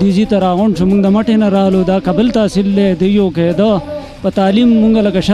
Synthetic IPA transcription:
izit̪ɐɾaːɣoɳʂumuŋɡd̪ɐmɐʈenaɾaːlod̪aːkɐbəlt̪aːsild̪ed̪əjoked̪ə | pət̪aːlimːuŋɡɐlɐkɐɕ

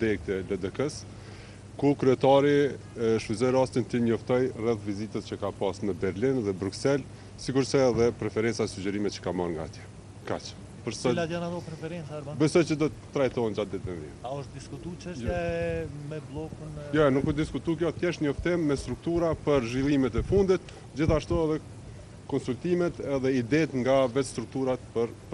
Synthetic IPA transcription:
d̪ɛk̚t̪ɛləd̪ɛkəs | kukɾyɛt̪aɾi | ʃfizɔjɾast̪int̪əɲɔft̪ɔjrɛθvizit̪ət̪̚t͡ʃəkapasməbɛɾlinðɛbɾuksɛl | sikuɾsɛːðɛpɾɛfɛɾɛnt͡saɛsud͡ʑɛɾimɛt̪t͡ʃə̥kamaɾŋɡa̰t̪jɛ | kat͡ʃə̥ | pəɾsɛlat̪janat̪ɔpɾɛfɛɾɛnt͡saɾbabɛsɔjt͡ʃəd̪ɔt̪t̪ːɾajt̪ɔɛnd͡ʒat̪d̪ɛt̪ɛnvɛ̰aɔʃt̪d̪iskut̪ut͡ʃɛʃjɛmɛblˠɔkunjɔnukud̪iskut̪ukjɔt̪kjɛʃɲɔft̪ɪmːɛst̪ɾuk̚t̪uɾapəɾʒvilˠimɛt̪ɛfund̪it̪ | d͡ʑiθaʃt̪uɛðɛ | kɔnsult̪imɛt̪ɛðɛid̪ɛt̪ŋɡavɛt̪st̪ɾuk̚t̪uɾat̪̚pəɾp

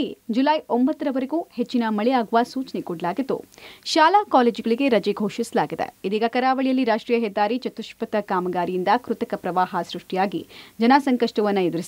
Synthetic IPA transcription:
id͡ʒulɐjombɐt̪ːɐɾɐʋɐɾeɡuːhet͡ʃːinɐmɐɭɛjaːɡuʋɐsuːt͡ʃɐnekɔɽɐlaːɡid̪ːṵʃaːlaːkaːleːd͡ʒɡɐɭiɡe̞ɾɐd͡ʒeɡʱoːʃisɐlaːɡid̪ḛid̪iːɡɐkɐɾaːʋɐɭijɐlːiɾaːʂʈɾiːjɐɦɛd̪ːaːɾit͡ʃɐt̪uʃpɐt̪ɐkaːmɐɡaːɾijind̪ɐkɾut̪ɐkɐpɾɐʋaːɦɐsɾuʂʈijaːɡḭd͡ʒɐnasɐŋkɐʂʈɐʋɐnːɐed̪uɾis

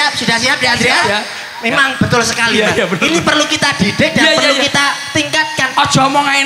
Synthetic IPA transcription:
ap̚sudahsiɦap̚diad̪ɾia | memaŋb̥ət̪ʊlsəkalibaninipərlukit̪ad̥idɪk̚dapərlukit̪at̪iŋkat̪̚kanɔ̥d͡ʒ̥ɔmɔŋa

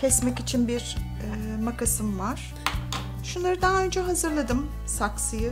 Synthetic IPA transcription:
cʰɛsmɛcit͡ʃʰinbiɾ | makʰasɯmvaɾ̥ | ʃunlˠaɾɯd̪aɦaø̞nd͡ʒɛɦazɯɾlˠad̪ɯm | saksɯjɯ

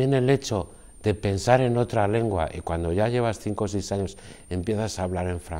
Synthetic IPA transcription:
je̞ne̞le̞t͡ʃo̞ | ðe̞pe̞nsaɾe̞no̞t̪ɾale̞ŋɡwa̰ʔikwand̪o̞ʝaʝe̞β̞asθiŋko̞s̬ejsaɲo̞se̞mpje̞θasaːβlaɾe̞ɱfɾa̰

